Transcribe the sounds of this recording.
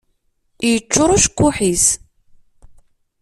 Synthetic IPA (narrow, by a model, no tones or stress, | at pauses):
jət͡ʃːʊɾˤuʃkːuħis